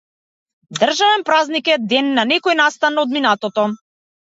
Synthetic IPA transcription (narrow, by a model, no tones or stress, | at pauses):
d̪r̩ʒavɛnpɾaznikɛd̪ɛnːanɛkɔjnast̪anɔd̪minat̪ɔt̪ɔ